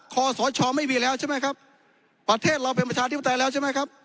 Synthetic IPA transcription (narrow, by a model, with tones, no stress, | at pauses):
kʰɔː˧˩sɔː˨˦jt͡ɕʰɔː˧ma˥˩jmiː˧lɛː˦˥wt͡ɕʰa˥˩ma˥jkʰa˦˥p̚ | pːɾa˧t̪ʰeː˥˩t̪̚ɾa˧wp̬e˧npɾa˧t͡ɕʰaː˧t̪ʰi˥p̚ːa˧t̪a˧jlɛː˦˥wt͡ɕʰa˥˩m˦˥˩jkʰa˦˥p̚